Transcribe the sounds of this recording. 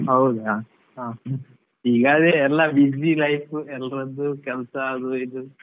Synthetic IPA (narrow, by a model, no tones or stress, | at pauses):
ɦɐwd̪a | ɦaː | iːɡaːd̪eɛlːɐbid͡ʒilɐjpuɛlɾɐd̪ːukɛlsɐːd̪uid̪u